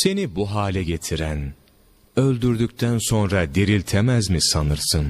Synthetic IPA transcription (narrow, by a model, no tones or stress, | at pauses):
se̞nibuɦaːlʲɛɟe̞t̪ʰiɾæn | ø̞lʲd̪yɾd̪yc̚t̪ʰænso̞nɾad̪eɾilʲt̪ʰemæzmisanɯɾsɯn